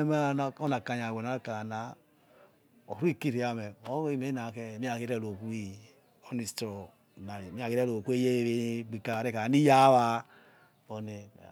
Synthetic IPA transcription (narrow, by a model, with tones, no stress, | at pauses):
e˦m˦˨o˦na˨ka˨˧ɲ˨a˨we˨na˨˦ka˨a˨na˨˦ | o˨ɾu˦i˦˨ki˦ɾi˨a˨mɛ˨o˨˦i˦˨me˨˦na˨kɛ˦˨mi˦a˨ki˦ɾɛ˦lo˨ku˦i˦˨ | o˦ni˨stɔ˨ | na˨mi˦a˨ki˦ɾɛ˦˨lo˨ku˦e˦je˦e˦βe˦ɡ͡bi˨ka˨ɾe˦ka˨ni˦ja˦βa˦ | o˨ne˨